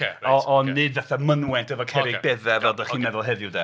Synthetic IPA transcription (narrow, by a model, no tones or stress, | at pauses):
ɔʔɔnːɨdvaθamənwɛntʰɛvɔkʰɛɾɪbɛðɛvɛlˠdɔχiːnːɛðɔlˠɦɛðjʊdɛ